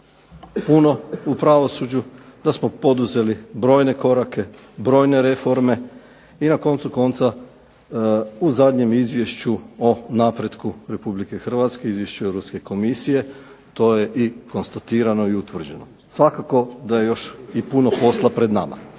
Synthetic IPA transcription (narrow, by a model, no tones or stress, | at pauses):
puno̞upɾaʋo̞sud͡ʑud̪̥asmo̞po̞d̪uze̞libɾo̞ːjne̞ko̞ɾake̞ | bɾo̞ːjne̞ɾe̞fo̞ɾme̞ | inako̞nt̪suko̞nt̪sa | uzad̪ɲe̞mizʋje̞ʃt͡ɕuo̞napɾed̪kuɾe̞publike̞xr̩ʋat̪ske̞izʋje̞ʃt͡ʃuewɾopske̞ko̞misije̞ | t̪o̞je̞ʔiko̞nst̪at̪iːɾano̞iut̪ʋr̩d͡ʑe̞no | sʋakako̞d̪aje̞jo̞ʃipuno̞po̞slˠapɾe̞d̪na̰ma̰